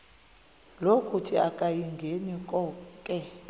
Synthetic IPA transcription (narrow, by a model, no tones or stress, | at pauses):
lokʼutʰiakʼajiŋɡʱenikʼɔːkʼɛ